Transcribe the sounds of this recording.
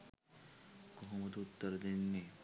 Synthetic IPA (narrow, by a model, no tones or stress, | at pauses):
ɡoɦomot̪ut̪ːoɾd̪enːe